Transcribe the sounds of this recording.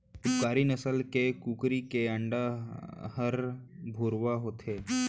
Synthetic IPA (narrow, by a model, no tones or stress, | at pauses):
ʊpkaːɾinəsəlkekuːkɾikeɐ̃ɳɖaɦəɾbʱoːɾʋaɦoːt̪ɦeː